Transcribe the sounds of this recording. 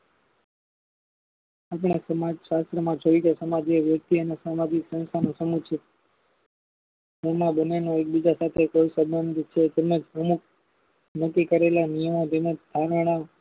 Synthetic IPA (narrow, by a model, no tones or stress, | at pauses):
ap̬ɳ̃esəmad͡ʒʃast̪ɾəmãd͡ʒoit͡ʃesəmad͡ʒeʋjək̚t̪iənesamad͡ʒiksə̃ñst̪ʰanosəmut͡ʃʰe | emãbənenoek̚bid͡ʒasat̪ʰekoisəbənd̪ʱt͡ʃʰed͡ʒ̪emed͡ʒpəmuk̚ʰ | nəkːikəɾelanijəmod͡ʒ̪emed͡ʒd̪ʱaɾɽ̃a